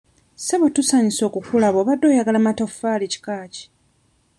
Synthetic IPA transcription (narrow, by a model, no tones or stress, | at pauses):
seβotusaːɲiso̞ːkukulaβoːβadːo̞ːjaɡalamatofaːlici̥kaːci̥